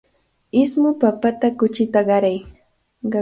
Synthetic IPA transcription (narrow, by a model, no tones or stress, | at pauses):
ɪsmʊpapat̪akʊt͡ʃɪt̪aɢɑɾaj | ɢɑ